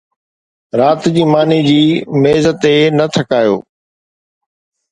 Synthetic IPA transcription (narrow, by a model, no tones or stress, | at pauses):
ɾaːt̪d͡ʑiːmaːnid͡ʑiːmeːzət̪enɐt̪ʰɐkaːjo̰ː